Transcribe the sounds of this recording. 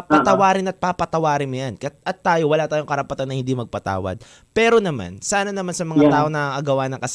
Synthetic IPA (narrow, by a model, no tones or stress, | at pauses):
pɐt̪ɐwaːɾɪnɐt̪̚papɐt̪ɐwaːɾɪnmʊjankɐjt̪ʔɐt̪ːaːjowɐlaːt̪aːjoŋkɐɾɐpɐt̪anːɐhɪnd̪imɐɡ̚pɐt̪a̰ːwɐ̰d̪̚ | pɛːɾonɐma̰nsaːnɐnɐmansɐmɐŋat̪aːʔonɐʔɐɡɐwaːnɐŋkɐs